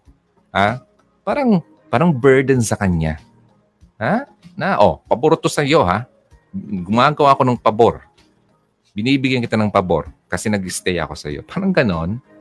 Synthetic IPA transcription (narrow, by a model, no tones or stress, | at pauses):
ha | paːɾɐŋ | paːɾɐŋbɛɹd̪ɛnsɐkɐɲa̰ | ha | naʔo̞pɐboɾt̪osɐjo̞ha | ɡʊmaːɡɐwaɐko̞nɐŋpɐbo̞ɾ | bɪniːbɪɡjankɪt̪anɐŋpɐbo̞̰ɾkɐsɛnɐɡɪst̪ɛjɐ̰ko̞sɐ̰jo̞̰paːɾɐŋɡɐno̞n